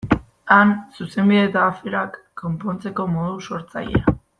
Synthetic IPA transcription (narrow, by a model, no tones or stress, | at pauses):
ansuse̞mbiðet̪aːfeɾakːo̞mpo̞nt͡se̞ko̞mo̞ðuso̞ɾt͡sa̰ʎea